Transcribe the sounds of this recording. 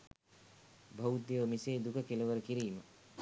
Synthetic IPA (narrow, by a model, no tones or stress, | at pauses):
bʱɐwt̪jəʋmiseːd̪ukəkeluʋəɾəkiɾiːmə